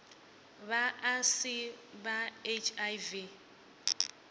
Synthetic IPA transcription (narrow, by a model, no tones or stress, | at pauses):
βaasibaet͡ʃʰajvi